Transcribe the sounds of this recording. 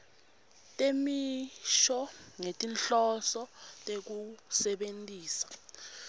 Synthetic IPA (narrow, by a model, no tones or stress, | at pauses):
tʼemiʃɔŋetʼinɬɔsɔtʼek̬usɛɓentʼiːsḁ